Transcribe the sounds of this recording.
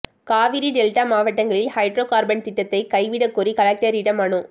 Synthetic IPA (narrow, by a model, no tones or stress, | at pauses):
kaːʋɪɾiɖɛlʈaːmaːʋɐʈːɐŋɡɐɭɪlhɐɪɖɾoːkaːɾbɐnt̪ɪʈːɐt̪ːɐɪkɐɪʋɪɽɐkːɔɾikɐlɐk̚ʈɐɾɪɽɐmaːɳɯ̃